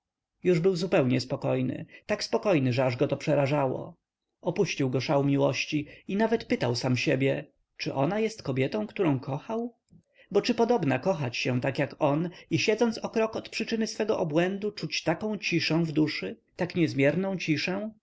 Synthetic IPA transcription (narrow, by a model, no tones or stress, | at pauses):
juʐbɘwzupɛwɲɛspɔkɔjnɘ̰t̪akspɔkɔjnɘʐɛaʐɡɔt̪ɔpʂɛɾaʐawɔ̰ | ɔpuɕt͡ɕiwɡɔʂawmʲiwɔɕt͡ɕiinavɛt̪pɘt̪awsamɕebʲjɛ | t͡ʂɘʔɔnajɛst̪kɔbʲjɛt̪ɔ̃kt̪uɾɔ̃w̃kʰɔxaw | bɔt͡ʂɘpɔd̪ɔbnakɔxat͡ɕɕɛ̃t̪akjakɔniɕɛd̪zɔnt̪sɔkɾɔkɔt̪pʂɘt͡ʂɘnɘsfɛɡɔʔɔbwɛnd̪ut͡ʂut͡ɕt̪akɔ̃w̃t͡ɕiʂɛ̃w̃vd̪uʂɘ | t̪akɲɛzmʲjɛɾnɔ̃t͡ɕiʂɛw̃